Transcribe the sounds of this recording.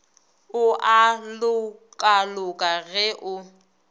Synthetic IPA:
ʊʔalʊkʼalʊkʼaɣɛʔʊ

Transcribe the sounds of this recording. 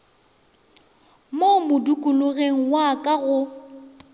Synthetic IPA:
momʊdukʼʊlʊɣeŋ̩wakʼaɣʊ

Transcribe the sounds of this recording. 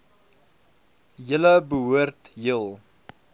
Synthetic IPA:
jələbəɦuərtɦilˠ

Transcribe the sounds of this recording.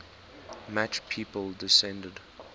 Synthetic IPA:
mat͡ʃpʰiːpəlˠdɪsɛ̃ndəd

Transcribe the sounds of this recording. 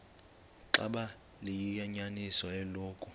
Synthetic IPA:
ǁa̰ɓa | lijijaɲanisɔɛloːkʼu

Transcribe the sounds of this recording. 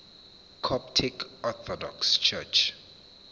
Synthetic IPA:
kʰɔptʰikɔθɔdɔ̰kst͡ʃʰɛ̰t͡ʃ

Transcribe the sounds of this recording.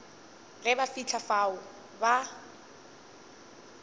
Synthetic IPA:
ɣɛbafit͡ɬʰafaʊ | ba

